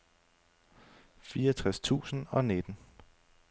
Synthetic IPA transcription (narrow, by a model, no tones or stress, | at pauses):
fiːɐɒt͡sʰʁast͡sʰṵːsn̩ɒ̽ned̥n̩